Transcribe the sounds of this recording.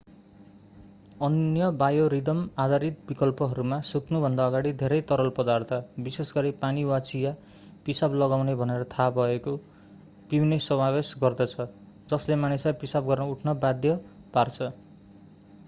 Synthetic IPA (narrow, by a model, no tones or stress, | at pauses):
ʌnjʌbajoɾid̪ʌmad̪aɾit̪̚bikʌlpʌɦʌɾumasut̪nubʱʌnd̪aʌɡaɽid̪ʱeɾʌjt̪ʌɾʌlpʌd̪art̪ʰʌbisesɡʌɾipaniwat͡sija | pisablʌɡawnebʱʌneɾʌt̪ʰabʱʌeko | pibinesʌmabesɡʌrd̪ʌt͡sʰʌ | d͡zʌslemanesapisabɡʌrnʌuʈʰnʌbad̪jʌpart͡sʰʌ